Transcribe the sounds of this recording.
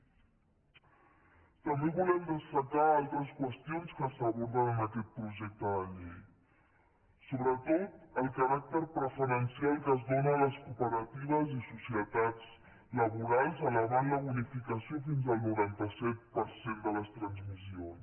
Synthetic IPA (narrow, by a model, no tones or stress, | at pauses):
t̪əmbeβulɛmd̪əst̪əkaalˠt̪ɾəskwəst̪ijonskəsəβɔɾðənənəkɛt̪̚pɾuʒɛk̚t̪əəʎej | soβɾət̪ot̪̚əlˠkəɾak̚t̪əɾpɾəfəɾənsialˠkəzd̪onəːləskupəɾət̪iβ̞əzisusjiət̪ad͡z | ləβuɾalˠzələβanləɣulifikəsiofinzəlˠnuɾant̪əsɛt̪̚pəɾsend̪ələst̪ɾənzmisions